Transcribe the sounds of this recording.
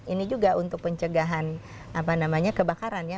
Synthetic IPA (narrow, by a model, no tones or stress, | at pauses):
inid͡ʒuɡaʔunt̪ʊk̚pəɲt͡ʃəɡaɦan | apanamaɲakəbakaɾanja